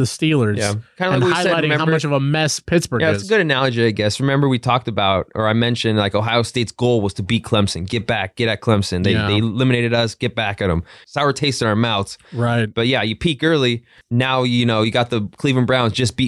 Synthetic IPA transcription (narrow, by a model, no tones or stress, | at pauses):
ðɨstilˠə˞zjækʰãɪndlanwaɪɛaɪɾɪ̃ŋmɛ̃haʊmʌt͡ʃʌvəmɛspʰɪtsb̥ə˞jæsəɡʊɾɨnælˠəd͡ʒiaɪɡɛsɹɨmɛ̃mbə˞witʰɔk̚tɨbaʊt̚ə̰˞aɪmɛ̃nʃɨ̃ndlaɪkoʊɦaɪoʊsteɪtsɡ̥oʊlˠwʌz̥tʰəbit̚kʰl̥ɛ̃msɨ̃nɡɛt̚b̥æk̚ɡ̥ɛɾɨt̚kʰl̥ɛ̃msɨ̃nðeɪðeɪlɪ̃mɨneɪɾɨɾʌsɡ̥ɛt̚b̥ækɨɾə̰̃msaʊə˞tʰeɪstɨ̃amaʊθsɹaɪt̚b̥ʌt̚jæjɨpʰikɜ˞lˠi | naʊjjɨnoʊjɨɡɑt̪̚ðɨkʰl̥ivɨ̃nbɹãʊ̃nzd͡ʒʌsb̥i